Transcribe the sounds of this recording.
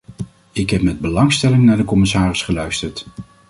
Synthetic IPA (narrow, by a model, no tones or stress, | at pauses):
ɪkɦɛpmɛd̚bəlɑŋstɛlɪŋnaːɹdəkɔmɪsaːrɪsχəlœɥstəɹt